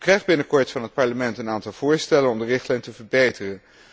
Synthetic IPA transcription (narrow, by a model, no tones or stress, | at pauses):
krɛjχbɪnəkɔɹtfɑnɦət̚pɑɹləmɛntənaːntɑlˠv̥ʊːɹstɛlənɔmdərɪχtlɛjntəvəɹbejtərən